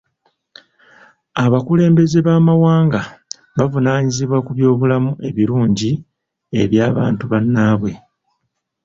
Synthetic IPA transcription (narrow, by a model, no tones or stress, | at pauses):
aβakule̞ːmbe̞ze̞βaːmawaːŋɡa | βavunaːɲiziβwakuβjo̞ːβulamuʔe̞βiɾuːɲɟi | e̞̰βjaːβa̰ːntuβanːaːβwe̞